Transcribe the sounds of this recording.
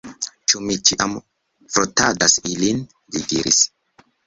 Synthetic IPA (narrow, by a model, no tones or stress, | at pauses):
t͡ʃumit͡ʃiʔam | fɾotadasilin | lidiɾḭs